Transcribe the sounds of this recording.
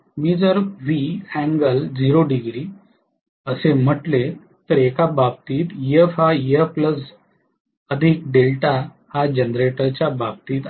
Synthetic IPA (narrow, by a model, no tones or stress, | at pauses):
miːd͡zəɾʋiæ̃ŋɡəld͡ziɾoɖiɡɾiː | əsem̤əʈle | t̪əɾekabab̚t̪iːt̪jəfajəpləs | əd̪ʱik̚ɖelʈa | had͡ʑənɾeʈəɾt͡ɕjabab̚t̪iːt̪